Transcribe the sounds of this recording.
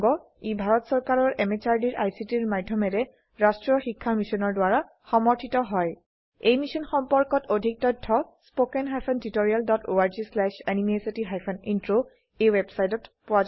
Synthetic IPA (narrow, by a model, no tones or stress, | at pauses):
ɡɔ | ebʱaɹɔtsɔɹkaɹɔɹʔɛmet͡ʃaɹdiɹʔajsitiɹmadʱːɔmɛɾɛ | ɹastɹɔxikʰːamisɔnɔɹdwaɹa | xɔmɔɹtʰitɔɦɔj | ejmisɔnxɔmpɔɹkɔtodʱik̚tɔjtʰːɔspokɛnɦajpʰɔntitoɹialdɔtʰoaɹd͡ʒislɛʃanimiesitiɦajpʰɔnintɹo | ejwɛbsajtɔtpʊwaz